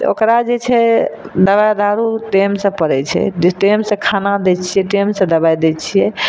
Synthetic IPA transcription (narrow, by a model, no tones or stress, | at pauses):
o̰kɾad͡ʒet͡ʃʰɛd̪əβajd̪aɾuʈemsə̃pəɾɛt͡ʃʰɛ̰ʈemsẽkʰanad̪ɛt͡ʃʰijɛʈemsẽd̪əbajd̪ɛt͡ʃʰijɛ